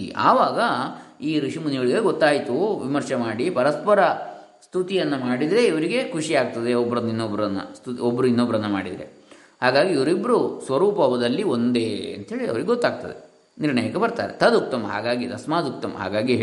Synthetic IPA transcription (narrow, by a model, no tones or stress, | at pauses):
a̰ːʋaːɡɐiːɾuʂimunijɐɭiɡeɡɔt̪ːaːjt̪uʋimɐɾʂɐmaːɽipɐɾɐspɐɾɐ | st̪ʰut̪ijɐnːɐmaːɽid̪ɾe̞iʋɐɾiɡe̞kʰuʂiaːɡ̚t̪ɐd̪eɔbːɐɾɐnːinːobɾɐnːɐ̰st̪ut̪iobːɐɾuinːobɐɾɐnːɐma̰ːɽid̪ɾe̞̰ | haːɡaːɡiiʋɐɾibɾusʋɐɾuːpɐʋɐd̪ɐlːio̞nd̪e̞ːɐ̰nt̪ɐɦeːɭiɐ̰ʋɐɾiɡeɡot̪ːaːɡ̚t̪ɐd̪e̞̰ | niɾɳɐjɐkɐbɐɾt̪a̰ːɾet̪ʰɐd̪uk̚t̪ɐmɐɦa̰ːɡaːɡit̪ɐsmaːd̪uk̚t̪ɐmɐ̰ɦa̰ːɡaːɡiɦ